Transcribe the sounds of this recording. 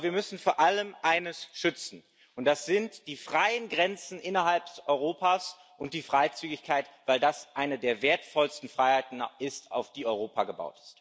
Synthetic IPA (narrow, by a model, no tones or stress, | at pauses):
viːɐmʏsn̩foːɐʔaləmʔaɪnəsʃʏt͡sn̩ | ʊnt̚d̥asz̥ɪntd̥iːfʁ̥aɪənɡʁɛnt͡sn̩ʔɪnɐɦalp̚d̥sɔʏʁ̞oːpʰaːs | ʔʊnt̚d̥iːfʁ̥aɪt͡syːɡɪçkʰaɪtv̥aɪldasʔaɪnədeːɐveːɐtfɔlstn̩fʁ̥aɪhaɪtn̩ʔɪsta̰ʊfd̥iːɔʏʁoːpʰaɡəba̰ʊtɪ̥st